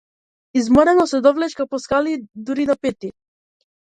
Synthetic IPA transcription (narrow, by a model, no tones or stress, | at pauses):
izmɔɾɛnɔsɛd̪ɔvlɛt͡ʃkapɔskalid̪uɾid̪apɛt̪i